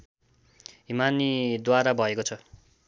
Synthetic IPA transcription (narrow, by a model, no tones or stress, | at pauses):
ɦimanid̪waɾabʱʌekot͡sʰʌ